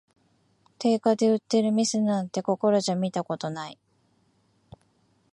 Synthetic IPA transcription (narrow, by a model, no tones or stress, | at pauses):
t̪e̞ːkad̪e̞ɯ̟t̪ːe̞ɾɯ̟mʲisɨnãnt̪e̞ko̞ko̞ɾo̞ʑamʲit̪ako̞t̪o̞nai